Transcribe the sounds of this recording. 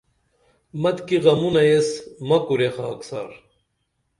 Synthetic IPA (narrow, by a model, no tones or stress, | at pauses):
mɐt̪kiɣɐmunɐesmɐkuɾexaːksa̰ɾ